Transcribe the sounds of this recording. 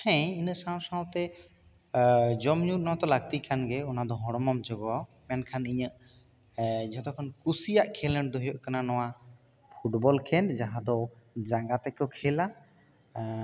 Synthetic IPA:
hɛ̃inəʔsãsaɔ̃t̪ɛ | d͡ʒɔmɲut̪̚ˀnɔwat̪ɔlaɡ̚t̪ikʰanɡɛɔnad̪ɔɦɔ̃ɽ̃ɔmɔmd͡ʒɔɡɔwamɛnkʰaniɲəʔ | d͡ʒɔt̪ɔkʰɔnkusijaʔkʰɛləɳd̪ɔɦɔjɔʔkananɔw̃a | pʰuʈbɔlkʰɛnd͡ʒaɦãd̪ɔd͡ʒaɡat̪ɛkɔkʰɛla

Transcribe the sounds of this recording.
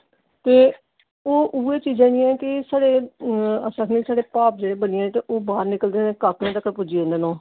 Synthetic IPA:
t̪eː | oːʔuːeːt͡ʃiːd͡ʒãːniɛ̃ːkɪsaːɽeːəsəkʰniːsaːɽeːpaːp̚d͡ʒeːɽeːbənɪãt̪eːʔoːbaːɾnɪkəld̪eːnẽːkaːknẽːd̪əkːəɾpʊd͡ʒiːʊ̃nd̪eːnõː

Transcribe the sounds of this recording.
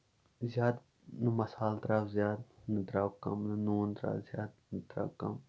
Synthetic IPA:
zjaːd̪ | nɨmɐsaːld̪ɾaːwzʲjaːd̪nɨd̪ɾaːwkɐmnɨnuːnd̪ɾa̰ːzjaːd̪̚nt̪ɾa̰ːwkɐ̰m

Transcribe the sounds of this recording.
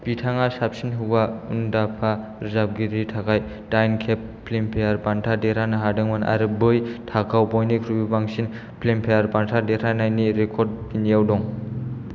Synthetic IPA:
pitʰaŋasap̚sinɦɯbaṵndapʰa | ɾizab̚ɡiɾitʰakaj | dajnkʰepː | lempʰejaɾpantʰadeɾanɯɦadɯŋmana̰ɾɯbɯjtʰakʰawbɔjnikʰɾubibaŋsin | pʰlempʰejaɾbantʰadeɾanajniɾekʰɔɾd̚pinijawdɔŋ

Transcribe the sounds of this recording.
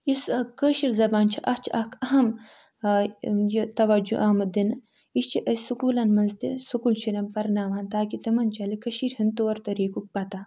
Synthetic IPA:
isɐkəːʃiɾzɐbaːnt͡ʃʰiʔɐt͡ʃʰiʔɐkʰɐɦɐm | jit̪ɐʋɐd͡ʒṵʔɐːmɨd̪in | ist͡ʃʰiʔɐssukuːlɐnmɐnzt̪isukuːlt͡ʃʰiɾɐmpɐɾnaːʋant̪aːkit̪ɐmɐnt͡ʃɐlikɐʃiːɾhint̪oːɾt̪ɐɾiːkuk̚pɐt̪a

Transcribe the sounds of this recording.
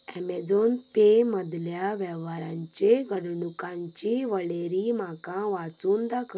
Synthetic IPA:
ɛ̰med͡zont̪eməd̪ljaʋɛʋaɾãɲt͡ɕeɡəɽɳukãɲt͡ɕiʋəɭeɾimakãʋat͡suːnd̪akʰ

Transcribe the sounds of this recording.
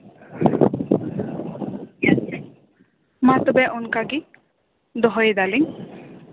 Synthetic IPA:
mat̪ɔbɛʔunkaɡi | d̪ɔɦɔjd̪aliŋ

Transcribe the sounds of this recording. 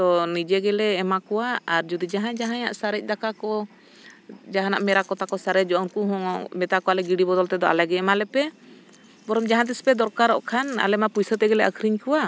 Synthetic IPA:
t̪ɔnid͡ʒɛɡɛlɛːmakɔwaaɾd͡ʒud̪id͡ʒaɦãd͡ʒaɦãja̰ʔsaɾɛc̚ˀd̪akakɔ | d͡ʒaɦanaʔmɛɾakɔt̪akɔsaɾɛd͡ʒɔʔɔnkuɦɔŋɔmɛt̪akɔwalɛɡiɖibɔd̪ɔlt̪ɛd̪ɔa̰lɛɡɛɛmalɛpɛ | bɔɾɔmd͡ʒaɦãt̪̬ispɛd̪ɔɾkaɾɔʔkʰana̰lɛmapujsət̪ɛɡɛlɛʔəkʰɾiɲkuwa

